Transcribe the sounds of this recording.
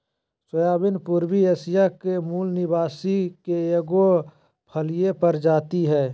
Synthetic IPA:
səjaːbɪnpuɾbieːsijakemuːlnɪbaːsikeeɡo | pʰəlijepɐɾd͡ʒaːt̪iɦɛː

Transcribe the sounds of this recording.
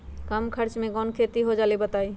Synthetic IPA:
kəmkʰəɾt͡ʃmẽɡɔnkʰet̪iɦod͡ʒalebət̪ai

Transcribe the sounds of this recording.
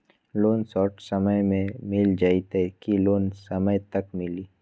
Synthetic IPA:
loːnsɔːʈsɐməjmẽmɪld͡ʒait̪ekiloːnsɐməjt̪ɐkmɪliː

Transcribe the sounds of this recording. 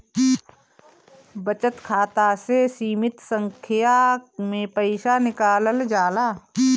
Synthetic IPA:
bət͡ʃət̪kʰaːt̪asesiːmɪt̪sə̃ŋkʰɪjamẽpəɪʃanɪkaːləld͡ʒaːlaː

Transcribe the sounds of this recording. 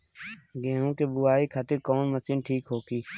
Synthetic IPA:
ɡẽːɦũːkeːbʊːaːiːkʰaːt̪ɪɾkoːnməsiːnʈʰiːkɦoːkiː

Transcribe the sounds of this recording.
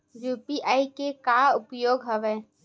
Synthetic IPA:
juːpiʔaːikekaʊpjoːɡɦɐʋeː

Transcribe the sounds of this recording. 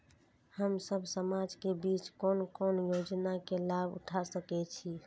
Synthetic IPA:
həmsəbʱsəmad͡ʒkebit͡ʃkonkonjod͡ʒnakelabṵʈʰasəkɛt͡ʃʰi

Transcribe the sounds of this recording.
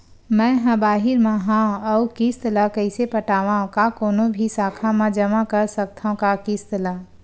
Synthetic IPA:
mɛ̃ɦɐ̃baːɦɪɾmãɦãɔʊkist̪lakəɪsepəʈaːʋaõkakoːnõbʱisaːkʰamãd͡ʒəmakəɾsək̚t̪ʰaõkakist̪laː

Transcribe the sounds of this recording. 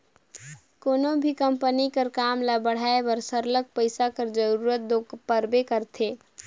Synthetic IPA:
koːnobʱikəmpənikəɾkamlabəɽ̤aebəɾsəɾlək̚pəɪsakəɾd͡ʒəɾuɾət̪̚d̪opəɾbekəɾt̪ʰe

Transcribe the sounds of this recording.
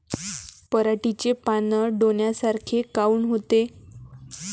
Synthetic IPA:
pəɾaʈit͡ɕepanəɖonjasaɾkʰekauːnɦot̪e

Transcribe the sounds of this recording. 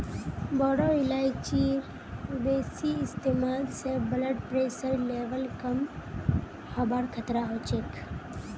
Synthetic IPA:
bɔːɽoːɪlaːɪt͡ʃiːɾ | beːsiɪst̪eːmaːlsebələɖpɾeːsəɾleːʋəlkɐm | haːbaːɾkʰət̪ɾaɦoːt͡ʃek

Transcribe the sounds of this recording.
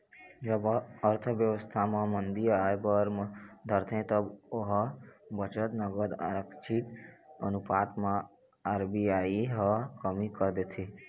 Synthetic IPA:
d͡ʒəbəɾt̪ʰəʋjəʋəst̪ʰamãmənd̪iaepəɾd̪ʱəɾt̪ʰẽt̪əboɦbət͡ʃət̪nəɡəd̪a̰ɾəkt͡ʃʰit̪ə̰nupaːt̪mã | aɾbiaːiɦəkəmikəɾd̪et̪ʰi

